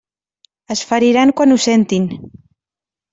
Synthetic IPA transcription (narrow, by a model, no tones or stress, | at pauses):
əsfaɾiɾaŋkwanusent̪in